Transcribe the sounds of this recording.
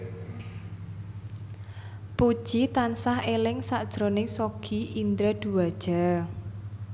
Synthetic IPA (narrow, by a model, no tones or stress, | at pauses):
pud̥ʒ̥it̪ansahelɪŋsaʔd̥ʒ̥ɾonɪŋsoɡ̥ʰiʔind̪ɾəd̪̥uwad̥ʒ̥a̤